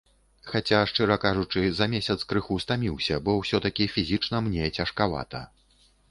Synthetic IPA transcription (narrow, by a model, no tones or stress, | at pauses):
xat͡sʲaʂt͡ʂɨɾɐkaʐut͡ʂɨzɐmʲesʲɐt̪skɾɨxust̪amʲiwsʲɐbɔwsʲɔt̪ɐkʲifʲizʲit͡ʂnɐmnʲet͡sʲɐʂkava̰t̪ɐ